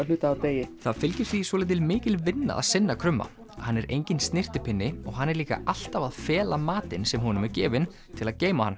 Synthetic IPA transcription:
lʏːt̪aːwt̪eːjɪθaðfɪlcɪɾ̥θvisɔlɪjt̪ɪlmɪːcɪlvɪnːa̰ða̰ðsɪnːakʰɾʏmːa̰ | hanːɛɾʔejɲcɪnst̪nɪr̥t̪ɪpʰɪnːɪɔɣɦanːɛɾliːka̰ʔal̥t̪avaðfɛːlamaːt̪ɪnsɛmɦɔːnʏmɛɾcɛ̰ːvɪn | t̪ʰɪlaðceːjmaha̰nː

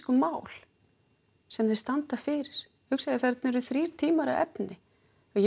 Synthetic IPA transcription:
kʏmaːwl̥ | sɛmθɪst̪ant̪afɪːɾɪɾ̥ | hʏksaðɪθɛɾt̪nɛɾʏθɾiːɾ̥t̪ʰiːmaɾa̰ɛ̰pnɪ | ajɛ

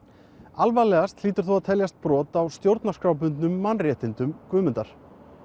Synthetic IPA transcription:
alvajlɛɣast̪liːt̪ʏɾ̥θuaðt̪ʰɛljast̪̚pɾɔːt̪awst̪jowɾt̪naskɾawpʏnt̪nʏmːanrjɛːt̪ɪnt̪ʏmkvʏːmʏnt̪aɾ̥

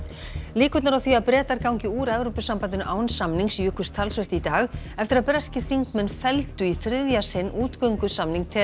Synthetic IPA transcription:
liːkʏt̪naɾawθviaðpɾɛːt̪aɾkawɲcɪuːɾɛvɾɔwpʏsampant̪ɪnʔaːwnsamniŋksjʏːkʰʏst̪ʰalsvɛr̥t̪it̪aːɣɛft̪ɪɾaðpɾɛscɪ̥θiŋkmɛnːfɛlt̪ʏiθɾɪðjasɪnːʔuːt̪kœɥŋkʏsamniŋk̚t̪ʰɛː

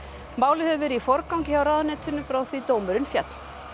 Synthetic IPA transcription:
maːwlɪhɛðvɛɾʏifɔɾkawŋcɪçawɾaːðanɛːt̪ʰʏnːʏfɾawθvit̪oːwmʏɾʏnfjɛ̰t̪l̥

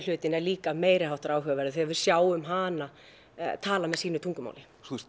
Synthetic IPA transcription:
l̥ʏːt̪ɪnɛɾliːkameːjɾɪhawht̪aɾaːwɦœːɣavɛɾðʏθɛavʏɾ̥sjaːwʏmɦaːna | t̪ʰaːlamɛðsiːnʏt̪ʰuŋkʏma̰wlɪ | θus

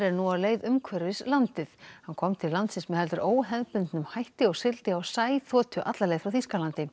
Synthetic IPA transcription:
ɾɛɾnuawleːjðʏmkʰvɛɾɪslant̪ɪθhankʰɔmt̪ʰɪllːant̪sɪnsmɛhɛlt̪ʏɾʔoːwɦɛðpʏnt̪nʏmhajht̪ɪɔɣsɪlt̪ɪawsaːjθɔːt̪ʰʏʔa̰t̪laɾlejɣθfɾawθiskalant̪ɪ

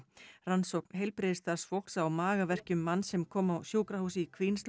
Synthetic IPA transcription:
ransowk̚nɦejlpɾɪðɪst̪aɾsfowk̪sawmaːɣavɛr̥cʏmːanːsɛmkʰɔːmawsjuːkɾahuːsɪikʰvins

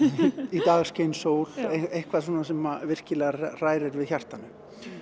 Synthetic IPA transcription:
it̪aːɣsceːjnsoːwl̥ejhkvaðsoːnasɛmavɪr̥cɪlɛɣar̥aːjɾɪɾvɪðçar̥t̪anːʏ

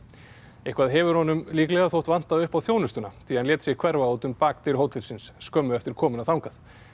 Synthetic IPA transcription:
ehkvaðɦɛvʏɾ̥hɔnʏmliːklɛɣaθowht̪van̥t̪aðʏhpawθjoːwnʏst̪ʏnaθianljɛːt̪sɪɣkʰvɛɾvaoːwt̪ʏmpaːk̚t̪ɪɾhowt̪ʰɪlsɪnsːkœmːʏɛft̪ɪɾ̥kʰɔːmʏnawθawŋkaθ

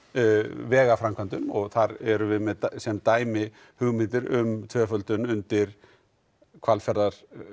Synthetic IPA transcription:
vɛːɣafɾamkʰant̪ʏmɔɣθaɾɛɾʏvɪðmɛðt̪sɛmt̪aːjmɪ | hʏɣmɪnt̪ɪɾʏ̰mt̪ʰvœːfœlt̪ʏnʏnt̪ɪɾ̥ | kʰvalfɛɾðaɾ̥

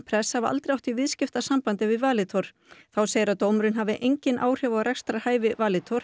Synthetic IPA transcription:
pʰɾɛshavɪa̰lt̪ɾɪjawht̪ivɪðscɪft̪asampant̪ɪvɪvaːlɪt̪ʰoɾ̥ | θawseːjɪɾawt̪oːwmɾʏnɦavɪʔejɲcɪnʔa̰ːwr̥jɔvaɾɛkst̪ɾahaːjvɪvaːlɪt̪ʰɔɾ̥

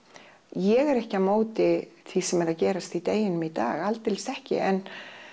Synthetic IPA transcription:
jɛɣɛɾɛhcɪamoːwt̪ɪθʰisɛmɛɾaðcɛːɾast̪it̪eːjɪnʏmit̪a̰ːɣalt̪ːɪlsɛhcɪ̰ɛn

